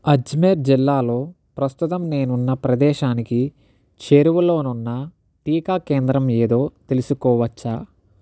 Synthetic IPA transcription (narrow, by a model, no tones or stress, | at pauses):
ɐd͡ʒmeɾd͡ʒilːaːlo̞ː | pɾɐst̪ut̪ɐmne̞ːnunːɐpɾɐd̪ɛːʃaːniki | t͡ʃe̞ɾuwulo̞ːnunːɐ | ʈiːkaːkeːnd̪ɾɐmeːd̪o̞ːt̪e̞lusukɔːʋɐt͡ʃːaː